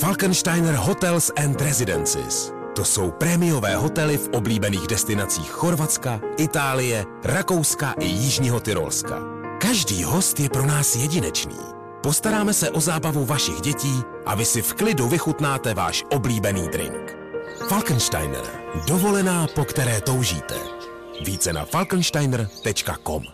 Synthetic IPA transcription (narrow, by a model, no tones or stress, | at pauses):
falkɛnʃt̪ajnɛɾɦo̞t̪ɛlsʔɛnt̪ɾɛzɪdɛ̰nt͡sɪ̰s | t̪o̞so̞wpɾɛmɪjo̞vɛːɦo̞t̪ɛlɪfʔo̞bliːbɛniːɣdɛst̪ɪnat͡sḭːxːo̞ɾvat͡skaʔɪt̪aːlɪjɛ | ɾako̞wskaʔɪjɪʒɲiɦot̪ɪɾo̞̰lska̰ | kaʒdiːɦo̞st̪jɛpɾo̞naːsjɛɟɪnɛt͡ʃnḭː | po̞st̪aɾaːmɛsɛʔo̞zaːbavuvaʃɪɣɟɛciː | ʔa̰vɪsɪfklɪduvɪxut̪naːt̪ɛva̰ːʃʔo̞bliːbɛniːd̪ɾɪ̰ŋk | falkənʃta̰jn̰ɾdo̞vo̞lɛnaːpo̞kt̪ɛɾɛːt̪o̞wʒḭːt̪ɛ̰ | viːt͡sɛna̰falknʃt̪ajnr̩t̪ɛt͡ʃkako̞̰m